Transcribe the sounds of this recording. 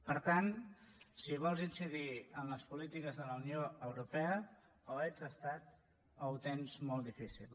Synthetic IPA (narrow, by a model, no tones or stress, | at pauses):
pəɾt̪ansiβ̞ɔlˠzinsiðiəmləspulit̪ikəzðələunioəwɾupɛə | oet͡səst̪at̪ | əwt̪enzmɔlˠd̪ifisḭlˠ